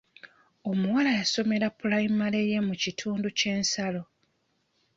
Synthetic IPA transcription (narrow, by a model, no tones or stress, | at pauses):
o̞muwalajaso̞me̞ɾapulaimale̞jemucitʰuːnduce̞ːnsalo̞